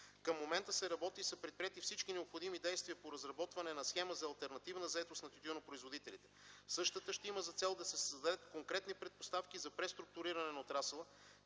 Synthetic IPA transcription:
kəmːomɛnt̪əsɛɾɐbɔt̪isɐpɾɛt̪̚pɾiɛt̪ifsit͡ʃkinɛopxod̪imid̪ɛjst̪viəpoɾɐzɾɐbɔt̪vɐnɛnɐsxɛməzɐɐːlˠt̪ɛɾnɐt̪ivnəzɐɛt̪ost̪nɐt̪ut̪ʲunopɾoizvod̪it̪ɛlit̪ɛ̥sɤʃt̪ət̪əʃt̪iməzɐt̪sɛlˠd̪ɐsɛsəzd̪ɐd̪ɛt̪koŋkɾɛt̪nipɾɛt̪̚post̪afk̟izɐpɾɛst̪ɾʊk̚t̪ʊɾiɾɐnɛnɐot̪ɾasəlˠə

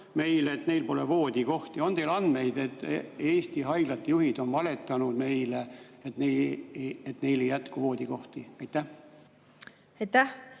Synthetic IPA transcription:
me̞jleet̪ne̞jlpo̞levo̞ːd̪̥ʲiko̞ht̪io̞ne̞ːlɑnd̪̥me̞jd̪e̞t̪ːˑeːst̪iɦɑjɡ̥lɑt̪ːjuhid̪̥o̞nvɑle̞t̪ˑːɑnud̪̥me̞jle | et̪ne | et̪ne̞jle̞jːæt̪kuvo̞ːd̪iko̞ht̪iɑjt̪ːˑæh | ɑjt̪ːæh

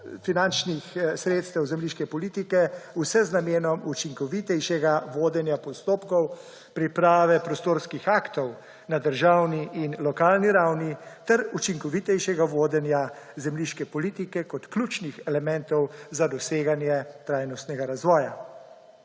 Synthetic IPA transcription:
finant͡ʃnixsɾeːt̪st̪ɛwzɛmliːʃkɛpɔliːt̪ikɛusɛznameːnɔmut͡ʃiŋkɔʋit̪ɛjʃɛɡaʋoːd̪ɛnjapɔst̪oːpkɔw | pɾipɾaːʋɛpɾɔst̪oːɾskixaːkt̪ɔw | nad̪əɾʒawniʔinlɔkaːlniɾawnit̪ɛɾut͡ʃiŋkɔʋit̪ɛjʃɛɡaʋoːd̪ɛnja | zɛmliʃkɛpɔliːt̪ikɛkɔt̪klʲut͡ʃnixɛlɛmɛnt̪ɔwzad̪ɔseːɡanjɛt̪ɾaːjnɔst̪nɛɡaɾazʋɔːja

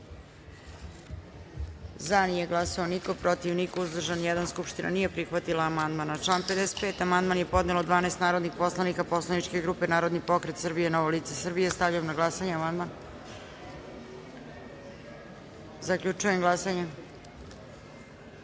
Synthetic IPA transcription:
zanije̞ɡlˠasaoniko̞pɾo̞t̪iʋnikouzd̪r̩ʒanjɛd̪anskupʃt̪inʔa̰nije̞pɾixʋat̪ilˠaːmand̪manat͡ʃlˠaːnped̪ɛset̪̚pe̞ːt̪amand̪manje̞po̞d̪nelod̪ʋaːneːst̪naːɾo̞d̪nixposlˠanikapo̞slˠanit͡ʃke̞ɡɾuːpe̞naːɾo̞d̪nipo̞kɾet̪sr̩bijenoʋoliːt̪sesr̩bijest̪avʎujemnaɡlˠasaɲeamand̪man | zakʎut͡ʂujemɡlˠasaɲe

